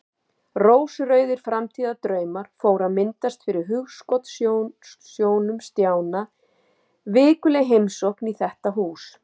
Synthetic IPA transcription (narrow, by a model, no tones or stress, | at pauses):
roːwsrœɥðɪɾ̥fɾamt̪ʰiːðat̪ɾœːɥmaɾ̥foːwɾaðmɪnt̪ast̪fɪɾɪɾɦʏɣskɔt̪ssjoːwnʏmst̪jaːwna | vɪːkʏlɛɣɦejmsohkniθɛht̪aɦuːs